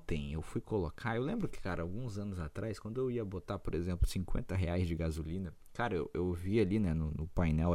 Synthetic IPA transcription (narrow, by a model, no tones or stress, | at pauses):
t̪ẽj̃ewfujkolokʰaewlẽmbɾʊkɪ̥kaɾɐawɡũzɐ̃nʊzat̪ɾajskwɐ̃nd̪ʊewiɐbot̪apoɾezẽmplʊsĩkwḛ̃nt̪ɐɦeajzd͡ʒɪɡazulĩnɐ | kaɾɐewʔewvialinɛnʊnʊpajnɛw